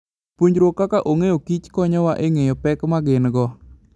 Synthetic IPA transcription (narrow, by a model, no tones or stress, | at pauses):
pwoɲd͡ʒɾwokːakaʔoŋejokit͡ʃkɔɲɔwaʔeŋejɔpɛkmaɡɪnɡɔ